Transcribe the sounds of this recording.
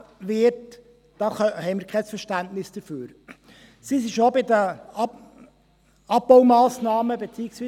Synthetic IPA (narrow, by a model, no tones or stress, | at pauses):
ʋɪt | d̥ɑhɛɪmɪɾkʰɛsfəɾʃtæntnɪsd̥əføːɾ | sisiʃobɪdə | ɑp̚bɔwmɑːsnɑːməbet͡siɪksʋiː